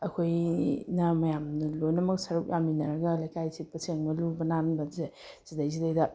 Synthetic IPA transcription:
ɐkʰojnɐmɐjamnɐlojnɐmɐk̚sɐɾuk̚jaminɐɾɐɡɐlajkʰajsipɐseŋmɐlubɐnanbɐze | z̥idajzidajdɐ

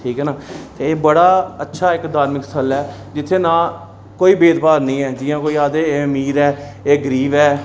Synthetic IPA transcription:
ʈʰiːkɦɛːnaːt̪eːeːbəɽaːətːʃʰaːɪkd̪aːɾmɪksʰəlɛːd͡ʒɪt̪ʰːeːnãː | koːiːbeːd̪paːɾnĩːɛːd͡ʒɪjãːkoːiːaːd̪eːəmiːɾɛːeːɡəɾiːʋɛː

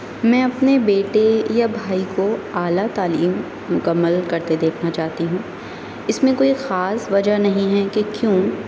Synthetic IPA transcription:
mɛ̃ːɐpnebeːʈejabʱaːikoaːlat̪aːliːm | mʊkɐmːəlkɐɾt̪ed̪eːkʰnat͡ʃaːt̪iɦũː | ɪsmẽkoːixaːsʋɐd͡ʒanɐɦĩɦɛkekjũː

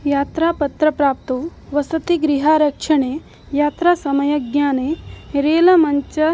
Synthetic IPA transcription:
jaːt̪ɾaːpɐt̪ɾɐpɾaːp̚t̪oːʋɐsɐt̪iɡɾiɦaːɾɐkʂɐɳeː | jaːt̪ɾaːsɐmɐjɐɡjaːneːɾeːlɐmɐɲt͡ʃɐ

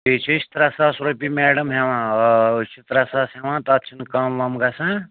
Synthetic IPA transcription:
it͡ʃʰit͡ʃʰi̥t̪ɾasasɾopimeːɽɐmɦeʋãːt͡ʃʰit̪ɾɐsaːsɦeʋãːt̪ɐt̪̚t͡ʃʰinkamʋɐmɡasã

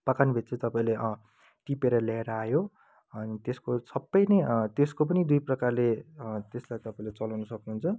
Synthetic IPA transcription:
pʌkanbʱit̪̚t͡sʌ̃t̪ʌpaĩle | ʈipeɾʌljaeɾʌajo | ʌnit̪eskosʌbːʌjnʌt̪eskop̬ʌnid̪ujprʌkarlet̪eslajt̪ʌpaĩlet͡sʌlawnʌsʌknuɦunt͡sʰʌ

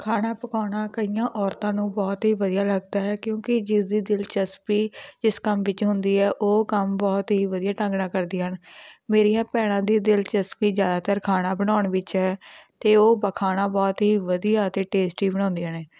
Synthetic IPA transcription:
kʰaːnaːpəkaːnaːkəijãːʔɔːɾt̪ãːnũːbɔːt̪ɦiːʋəd̪ijaːləɡ̚d̪aːɦɛːkjõːkɪd͡ʒɪsd̪iːd̪ɪlt͡ʃəspiːd͡ʒɪskəmʋɪt͡ʃɦʊnd̪iːɛːʔoːkəmbɔːt̪ɦiːʋəd̪ijaːʈə̃ŋɡnãːkəɾd̪iːɦənmeːɾijãːpɛːɽ̃ãːd̪iːd̪ɪlt͡ʃəspiːzjaːd̪aːt̪əɾkʰaːnaːbəɽnaːɳʋɪt͡ʃɦɛːt̪eːoːbəkʰaːnaːbɔːt̪ɦiːʋəd̪ijaːt̪eːʈeːsʈiːbəɽ̃ɔ̃ːnd̪iːaːneː

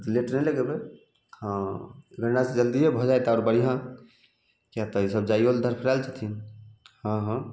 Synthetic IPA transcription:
ɾileʈnɛləɡebe | hãɡʱə̃ɳɖased͡ʒəld̪iɦebʱɔd͡ʒajt̪aːɾbəɽ̤iɦã | kjat̪ɔisəb̚d͡ʒaiold̪ʱəɾpʰɾalt͡ʃʰat̪ʰinhãɦã

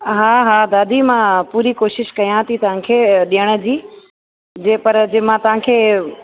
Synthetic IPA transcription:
ɦaːɦaːd̪aːd̪ʱimãpuːɾikoːʃɪʃkɐjãt̪ʰit̪ɐʋ̤ãkʰeːɗijəɽ̃ə̆d͡ʑiː | d͡ʑeːpɐɾd͡ʑemãt̪ɐʋ̤ãkʰeː

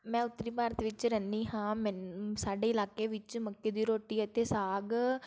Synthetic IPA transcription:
mɛ̃ːʊt̪ːɾiːbaːɾt̪ʋɪt͡ʃɾɛːnd̪iːɦãːmɛnsaːɖeːɪlaːkeːʋɪt͡ʃməkːeːd̪iːɾoːʈiːət̪eːsaːɡ

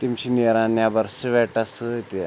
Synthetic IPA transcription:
t̪imt͡ɕineɾanjabəɾsəʋɛʈasət̪i

